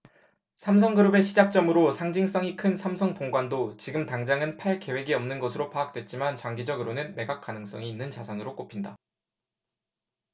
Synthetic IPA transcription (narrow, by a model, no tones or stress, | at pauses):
sʰams̬ʰʌŋɡɯɾɯbe̞ɕʰid͡ʑak̚t͡ɕ͈ʌmɯɾosʰaŋd͡ʑiŋs͈ʌŋikʰɯnsʰamsʰʌŋpoŋɡwandot͡ɕiɡɯmtaŋd͡ʑaŋɯnpʰaɭke̞we̞ɡiʌmnɯnɡʌsʰɯɾopʰaːk̚t͈we̞t̚t͡ɕ͈imant͡ɕʌŋɡid͡ʑʌɡɯɾonɯnme̞ɡak̚k͈anɯŋs͈ʌŋiːnːɯnt͡ɕasʰaŋɯɾok͈opʰinda